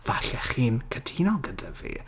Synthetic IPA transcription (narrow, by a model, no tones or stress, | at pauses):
v̥aɬɛχiːnkʰədʰiːnɔlˠɡədavḭː